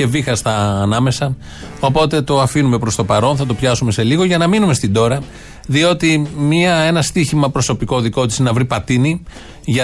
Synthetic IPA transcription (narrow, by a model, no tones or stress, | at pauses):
e̞vixɐst̪ɐːnɐme̞sɐ | o̞po̞t̪e̞t̪o̞ɐfinume̞pɾo̞st̪o̞pɐɾo̞nθɐt̪̬o̞pçɐsume̞se̞liɣo̞ʝɐnɐminume̞st̪ind̪o̞ɾɐ | ðio̞t̪imiɐe̞nɐst̪içimɐpɾo̞so̞piko̞ðiko̞t̪isinɐvɾipɐt̪ini | ʝɐ